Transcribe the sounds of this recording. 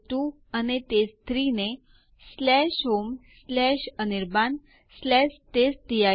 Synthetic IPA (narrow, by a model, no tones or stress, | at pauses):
ʈu | ənet̪est̪ɾine | slɛɕɦomslɛɕəniɾbãn | slɛɕt̪est̪ija